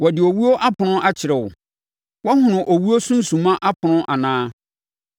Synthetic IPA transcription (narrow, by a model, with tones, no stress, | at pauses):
wɔ˨dɪ˨o˨wu˦o˦ʔa˦pʰʊ˨nʊ̃˦ʔa˦t͡ɕʰɪ˨ɾɛ˨wʊ̰˨ | wɔ˦hʊ̃˨nʊ̃˨ʔo˨wu˦o˦sʊ̃˦n̩˦sũ˨mã˦ʔa˦pʰʊ˨nʊ̃˦ʔa˨nãː˦